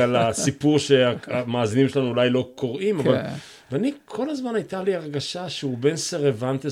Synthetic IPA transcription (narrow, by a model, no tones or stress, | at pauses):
alasipuʁʃeaamaːzinimʃelanuulajlo̞kʰo̞ʁʔimavval | veanikʰo̞lazmanajt̪aliaʁɡaʃaʃeube̞nseʁevant̪e